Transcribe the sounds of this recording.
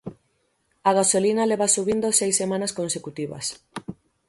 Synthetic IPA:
aɣasolinɐleβasuβind̪osejsemãnɐskonsekut̪iβɐ̰s

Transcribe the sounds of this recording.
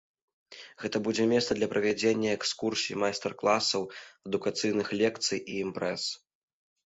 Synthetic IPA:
ɣɛt̪ɐbud͡zʲɛmʲɛssɐd̪lʲɐpɾɐvʲad͡zʲenʲːɐɛkskursʲijmajst̪ɛrklˠasɐwɐd̪ukat̪sɨjnɨxlʲɛk̚t̪sɨjiːmpɾɛs

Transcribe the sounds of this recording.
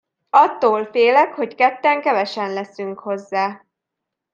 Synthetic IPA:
ɒt̪ːoːlfeːlɛkho̞ckɛt̪ːɛŋkɛvɛʃɛnlɛsyŋkho̞zːaː

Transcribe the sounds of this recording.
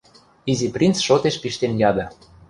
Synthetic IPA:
iziprʲint͡sʃot̪eʃpiʃt̪enjɑd̪ɤ̆

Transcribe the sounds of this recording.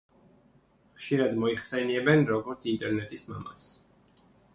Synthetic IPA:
χʃiɾad̪mɔiχsɛniɛbɛnɾɔɡɔɾt̪sʰint̪ʼɛɾnɛt̪ʼisma̰ma̰s

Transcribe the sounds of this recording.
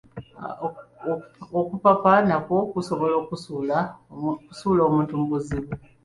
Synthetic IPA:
okupapanako̞kuso̞βo̞lo̞ːkusulakusuːloːmuːntumbuziβu

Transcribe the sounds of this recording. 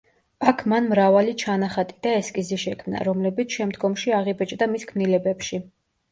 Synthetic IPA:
akʰmanmɾavalit͡ʃʰanaχat̪ʼid̪aɛskʼiziʃɛkʰmna̰ɾɔmlɛbit̪sʰʃɛmd̪ɡɔmʃiaʁibɛt͡ʃʼd̪amiskʰmnilɛbɛpʃi

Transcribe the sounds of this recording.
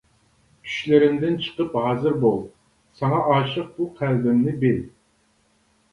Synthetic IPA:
kʲʰy̥ʃlɪɾɪmd̪ɪnt͡ʃʰə̥qəphɑːzɨɾbolˠ | sɑŋɑʔɑːʃəq̚buqʰælb̪ɪmnɪbel

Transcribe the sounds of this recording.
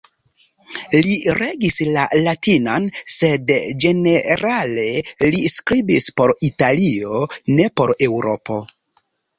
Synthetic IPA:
liɾeɡislalatinanse̞dd͡ʒe̞ne̞ɾale̞liskɾibispo̞ɾitalio̞ne̞po̞ɾe̞wɾo̞pʰo̞

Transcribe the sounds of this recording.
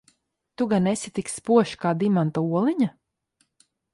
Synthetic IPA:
t̪uɡanesʲit̪ikspuɔʃkaːd̪imant̪auɔlˠiɲa

